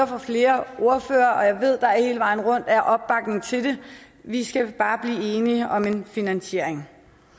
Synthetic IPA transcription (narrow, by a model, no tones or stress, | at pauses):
ɐfɑ̈fle̝ːɐʔo̝ɐfø̰ːɐʔɒ̽jɑ̈ɪʋe̝ð̞̰ˠd̥ɑ̈æɐhe̝ːləʋɑ̈ɪn̩ʁɔ̽n̰d̥æɐʔɒ̽b̥ːɑ̈ɡ̥ne̝ŋt͡sʰe̝d̥e̝ | ʋisɡ̥æb̥ɑ̈ːb̥liːe̝ːniəɒ̽me̝nfinænɕe̝ɐ̰eŋ